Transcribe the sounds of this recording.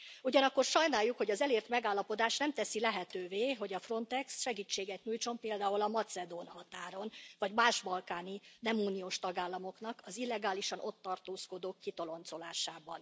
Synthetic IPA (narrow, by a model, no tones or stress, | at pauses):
uɟɒnɒkːo̞rʃɒjnaːjːukho̞ɟɒzɛleːrt̪mɛɡaːlːɒpo̞d̪aːʃnɛmt̪ɛsilɛɦɛt̪øːveːɦo̞ɟɒfro̞nt̪ɛksʃɛɡiːt͡ʃːeːɡɛt̪ɲuːjt͡ʃo̞mpeːld̪aːulɒmɒt̪sɛd̪oːnhɒt̪aːɾo̞nvɒɟmaːʃbɒlkaːninɛmuːnioːʃt̪ɒɡaːlːɒmo̞kn̪ɒkɒzilːɛɡaːliʃɒno̞t̪ːɒrt̪oːsko̞d̪oːkːit̪o̞lo̞nt̪so̞laːʃaːbɒ̰n